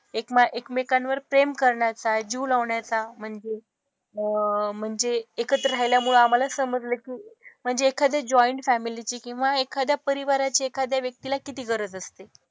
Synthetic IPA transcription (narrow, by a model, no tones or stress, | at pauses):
ekmaʔekmekanʋəɾpɾemkəɾɳjat͡sad͡ʑiːlaʋɳjat͡sam̤əɳd͡ze | əm̤əɳd͡zeːkət̪ɾəɾajljamuɭəam̤alasəməd͡zləkiːm̤əɳd͡zeːkʰad̪ʱjad͡ʑɔjɳʈfæmilit͡ɕiːkĩw̃ʋaekʰad̪ʱjapəɾiʋaɾat͡ɕeekad̪ʱjaʋjək̚t̪ilakit̪iːɡəɾəd͡zəst̪e